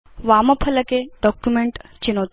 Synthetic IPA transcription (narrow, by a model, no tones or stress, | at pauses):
ʋamɐpʰələkeɖɔkjumeɳʈt͡ɕinot̪